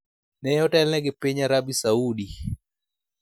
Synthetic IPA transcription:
nɛjɔtɛlnɛɡɪpeɲaɾabisaudi

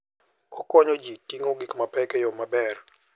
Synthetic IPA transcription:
ɔkɔɲod͡ʒitiŋoɡikmapɛkɛjomabɛr

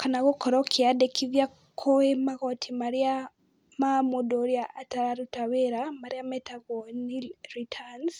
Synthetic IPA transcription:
kanaɣokoɾokʰiadekiβja | kʰoemaɣotʰimaɾia | mamudoɾjaːtaɾaɾutaweɾamaɾjametaɣoniɾitʰans

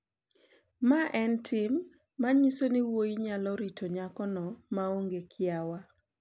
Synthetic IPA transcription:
maʔɛntʰɪmː | aɲisoniwoiɲalɔɾitʰoɲakɔnɔmaoŋɡekʰɪawa

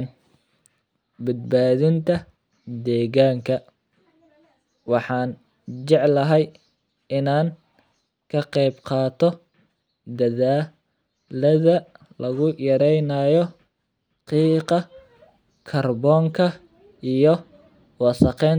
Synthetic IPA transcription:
n | bɐd̪̚baːðɪnt̪ʰɐ | d̪ɛːɣaːŋkʰɐ | wɑħɑːn | t͡ʃɛʕlɐɦɛj | ɪnaːŋ | kʰɐqɛjbqɑːt̪ʰɔ | d̪ɐðaː | lɐðɐ | lɐɣʊjɐɾɛjnɐjɔ | qiːqɑ | kʰɐrbɔːŋkʰɐ | ijɔ | wɑsɐqɛːn

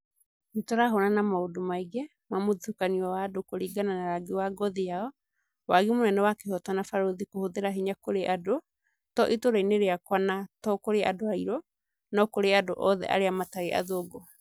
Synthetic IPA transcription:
nitɔɾaɦonanamaodomaiɡɛ | mamoðukaniɔwaːdokoɾiːɡananaɾaɡewaɡɔðijaɔ | waɣimonɛnɛwakehɔtwanafaɾoðikohoðeɾaɦeɲakoɾeʔado | tɔʔitoɾaineɾeakwanatɔkoɾeʔadoaiɾɔ | nɔkoɾeadoʔɔðɛ̰ʔa̰ɾeamataɾeʔa̰ðoːɡɔ

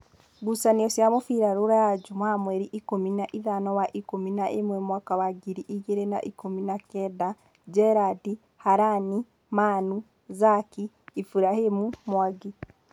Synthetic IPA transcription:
ɡusaniɔsjamofiɾaɾoɾajad͡ʒumamwɛɾiʔikominaʔiðanɔwaʔikominaʔemwɛmwakawaɡiɾiʔiɣeɾena̰ʔikominakɛda | d͡ʒɛɾadi | haɾani | maːnu | zakiː | fuɾahemumwaɡi

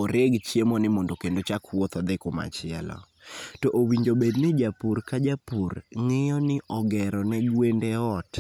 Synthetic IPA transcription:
oɾeɡt͡ʃjemɔnɪmɔndokendot͡ʃakwɔt̪ɔd̪ɪkʊma̰t͡ʃɪɛ̰lɔ̰ | tɔʔowiɲd͡ʒobednɪd͡ʒapurkad͡ʒapurŋɪjɔnɪʔɔɡɛɾɔnɛɡwendeɔt

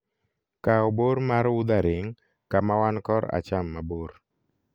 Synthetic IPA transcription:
kaɔboɾmaɾwud̪aɾɪŋ | kamawankɔɾa̰t͡ʃamːaboɾ

